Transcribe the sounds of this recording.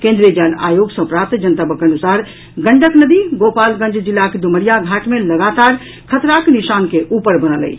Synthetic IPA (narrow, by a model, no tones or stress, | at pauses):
kẽnd̪ɾijəd͡ʒana̰joɡsə̃pɾap̚t̪d͡ʒənət̪abəkənusaɾ | ɡə̃ɳɖəknəd̪iɡopalɡə̃nd͡ʒd͡ʒilːaked̪uməɾijaɡʱaʈmeləɡat̪aɾ | kʰət̪ɾakniʃankeʔupəɾbənələ̰j